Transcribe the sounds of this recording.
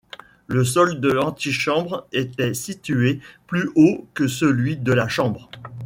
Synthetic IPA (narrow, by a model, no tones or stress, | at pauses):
ləs̬ɔld̪əlɑ̃t̪iʃɑ̃bʁet̪ɛsit̪yeplyʔokəsəlɥid̪əlaʃɑ̃bʁ